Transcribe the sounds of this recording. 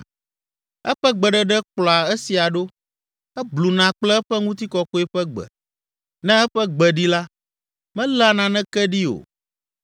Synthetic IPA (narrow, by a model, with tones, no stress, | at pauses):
ɛ̰˦ɸɛ˦ɡ͡bɛ˨ɖɛ˦ɖɛ˦k͡plɔ˨a˨ɛ˦si˨a˨ɖo˦ | ɛ˦blu˨nã˨k͡plɛ˦ɛ˦ɸɛ˦ŋũ˦t̪i˦kɔ˨ko˦e˦ɸɛ˦ɡ͡bɛ̰˨ | nɛ̃˦ɛ˦ɸɛ˦ɡ͡bɛ˨ɖi˦la˦ | mɛ̃˦la˨nã˨nɛ̃˦kɛ˦ɖi˦o̰˨